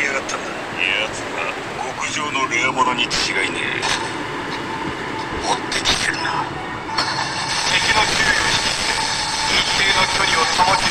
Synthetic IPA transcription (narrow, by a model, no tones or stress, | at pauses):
iaɡat̪ʰːan | eat͡sɨa̰ | ɡokɯ̟ʑo̞ːno̞ɾiamonaɲ̟itɨ̥t͡ɕiɡainḛ | mot̪ːekʲi̥t̪ːeɾɯna | t̪ekʲinokʲɨɾːjoɕi̥it̪e | it̪eːnokʲoɲʲiot̪omak̪